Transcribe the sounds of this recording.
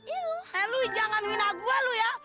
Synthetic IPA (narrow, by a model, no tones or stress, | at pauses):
iɛluid͡ʒaŋanŋinaɡualuja